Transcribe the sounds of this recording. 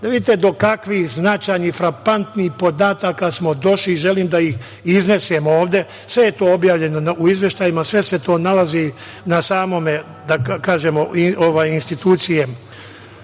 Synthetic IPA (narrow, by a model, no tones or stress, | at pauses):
d̪aʋid̪it̪ed̪o̞kakʋihznat͡ʃaːjnifɾapant̪nihpo̞d̪aːt̪akasmo̞d̪o̞ʃliːʒe̞liːmd̪aix | izne̞semoːʋd̪e̞ | sʋe̞jet̪o̞ːobjaːʋʎe̞nonuizʋje̞ʃt̪aːjimasʋe̞se̞t̪o̞ːnalazi | nasaːmo̞me | d̪akaːʒe̞moioʋaːjinst̪it̪uːt̪sije